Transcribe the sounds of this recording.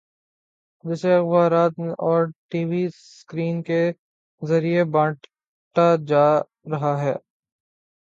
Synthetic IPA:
d͡ʒɪseɪxbaːɾaːt̪ʔɔːɾʈiːʋisskɾiːnke | zɐɾiebãːʈ | ʈad͡ʒaː | ɾɐɦaɦɛ̰ː

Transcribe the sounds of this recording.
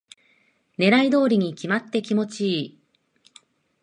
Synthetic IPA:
ne̞ɾaid̪o̞ːɾʲiɲ̟ikʲimat̪ːe̞kʲimo̞t͡ɕiː

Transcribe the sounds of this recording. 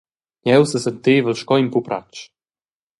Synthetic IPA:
ɲɛwsəsənt̪eːvəlʃkɔimpupɾa̰t͡ʃ

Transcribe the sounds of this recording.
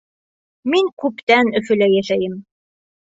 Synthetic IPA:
miŋkʉpt̪ænɵ̆fɵ̆læjæʃæjɘm

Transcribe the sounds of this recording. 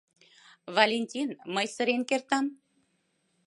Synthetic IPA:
vɑlʲenʲt̪ʲinməjsə̆ɾenkert̪ɑm

